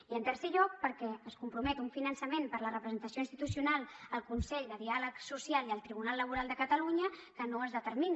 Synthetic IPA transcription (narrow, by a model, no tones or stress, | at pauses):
iənt̪əɾsɛʎɔk̚pəɾkɛəskumpɾumɛt̪uɱfinənsəmempəɾlərəpɾəzənt̪əsjoinst̪it̪usiunalˠəlˠkunsɛʎd̪əðialəksusialiəlˠt̪ɾiβ̞unalːəβ̞uɾalˠd̪əkət̪əluɲəkənoəzðət̪əɾmin